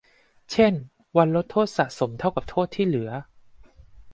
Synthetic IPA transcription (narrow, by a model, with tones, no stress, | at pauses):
t͡ɕʰe˥˩n | wa˧nɾo˦˥t̪ʰːoː˥˩t̪̚sa˨˩ʔ̚so˩˦mt̪ʰa˥˩wka˨˩p̚t̪ʰoː˥˩t̪ʰːiː˥˩lɯ˩˦ɐ